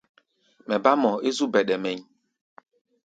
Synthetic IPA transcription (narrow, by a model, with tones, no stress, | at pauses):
mɛ˨ba˦mɔ˨e˦zu˦bɛ˨ɗɛ˨mɛ˨ɲ˦